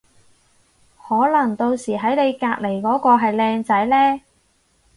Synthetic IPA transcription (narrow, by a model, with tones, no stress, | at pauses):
hɔː˨˥lɐ˨˩ŋt̪o˧wsiː˨˩ɦɐ˨˥jne˨˧jkaː˧k̚le˨˩jkɔː˨˥kɔː˧ɦɐ˨jlɛː˧ŋt͡sɐ˨˥jlɛː˥